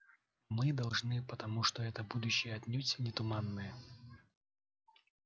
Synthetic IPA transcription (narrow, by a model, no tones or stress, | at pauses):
mɨd̪ɐlˠʐnɨpət̪ɐmuʂt̪oɛt̪əbud̪ʊɕːɪjəɐt̪ʲnʲutʲnʲɪt̪ʊmanːɨjə